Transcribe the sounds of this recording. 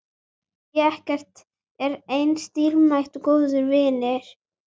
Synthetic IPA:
jɛɛhcɛr̥t̪ | ɛɾejnst̪iːɾmajht̪ukoːwðʏɾvɪnɪɾ̥

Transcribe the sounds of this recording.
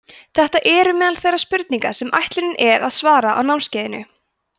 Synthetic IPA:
θɛht̪aʔɛːɾʏmɛːðalθejrːaspʏɾt̪niŋkḁsɛmʔa̰jht̪lʏnɪnʔɛɾaðsvaːɾaʔa̰wnawnscɛːðɪnʏ̰

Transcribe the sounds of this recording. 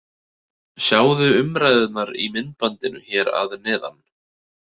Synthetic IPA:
sjaːwðʏʏmɾajðɪt̪naɾimɪnt̪̚pant̪ɪnʏ̰çɛːɾa̰ðnɛːða̰n

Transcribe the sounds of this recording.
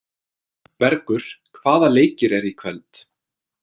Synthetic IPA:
pɛɾkʏɾ̥kʰv̥aːðaleːjcɪɾɛɾikʰvɛlt̪

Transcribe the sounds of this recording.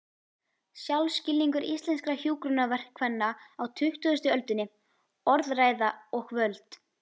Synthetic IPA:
sjawlscɪlːiŋkʏɾist̪lɛnskɾaçjuːkɾʏnavɛr̥kʰːvɛnːaawt̪ʰʏht̪ʏðʏst̪ʏœlt̪ʏnːɪ | ɔɾðraːjðaɔxvœlt̪

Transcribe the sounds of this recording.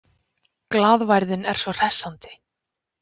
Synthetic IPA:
klaːðvajɾðɪnɛ̰ɾ̥svɔr̥ɛsːant̪ɪ̥

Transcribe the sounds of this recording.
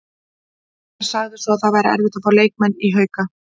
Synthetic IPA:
aɾ̥saɣðʏsɔaθaðvajɾa̰ʔɛ̰ɾvɪht̪afoːɾaleːjk̚mɛnːiɦœːɥka

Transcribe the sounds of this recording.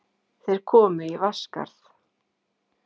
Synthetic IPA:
θejɾ̥kʰɔːmʏivaska̰ɾ̥θ

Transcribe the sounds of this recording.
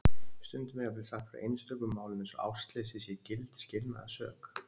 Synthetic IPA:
st̪ʏnt̪ʏmɛɣap̪ɪlsaxt̪faɾa̰ʔḛjnslœːkʏmːaːwlʏmẽnsɔa̰wst̪lɛːsɪsjɛcɪlt̪scɪlna̰ðsœ̰ːk

